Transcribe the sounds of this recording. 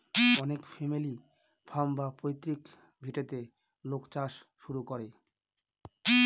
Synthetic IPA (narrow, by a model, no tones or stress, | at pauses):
ɔnekfemili | bʰʱambapojt̪ːɾik | bʱiʈet̪e | lokt͡ɕaʃ | ʃuɾukoɾe